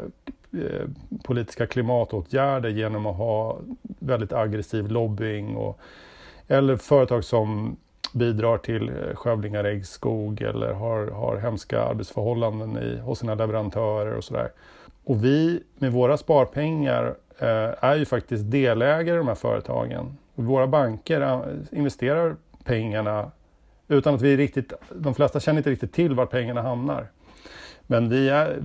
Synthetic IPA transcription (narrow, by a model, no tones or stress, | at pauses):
pʰʊliːt̪ɪ̥skakʰlɪmɑːt̪oːt̪ʰjæːɖəɾjeːnɔmɔɦɑːvɛld̪ɪt̪aɡɾɛsiːvlɔbːɪŋɔ̰ | ɛlːəɾfœːɾət̪ʰɑːɡsɔm | biːd̪ɾɑːʈʰɪlɧɛvlɪŋaɾɛɡskuːɡɛ̰lːə̰ɾɦaɾha̰ɾɦɛmska̰a̰ɾbɛt̪sfœɾhɔlːand̪ənɪ̰hʊsiːnalɛvɛɾant̪ʰœːɾə̰ɾɔ̰sɔd̪æ̰ːɾ | ɔvɪmɛvoːɾaspɑːɾpʰɛŋːa̰ɾ | æɾjɵfak̚t̪ɪst̪̚d̪eːlɛːɡaɾɪd̪ɔmhæɾfœ̰ːɾə̰t̪ʰɑ̰ːɡə̰nɔvoːɾabaŋkəɾaɪnvɛst̪eːɾaɾpʰɛŋːaɳa | ʉ̟ːt̪anat̪vɪɾɪk̚t̪ɪt̪d̪ɔmflɛst̪aɕɛnəɾɪt̪əɾɪk̚t̪ɪt̪ʰːɪlːvaʈ̚pʰɛŋːaɳaɦamna̰ɾ | mɛnvɪæ